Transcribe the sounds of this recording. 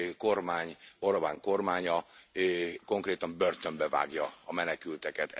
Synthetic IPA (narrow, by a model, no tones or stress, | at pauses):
ko̞rmaːɲoɾɒbaːŋko̞rmaːɲɒ | ko̞ŋkreːt̪ɒmbørt̪ømbɛva̰ːɡjɒɒmɛnɛkylt̪ɛkɛt̪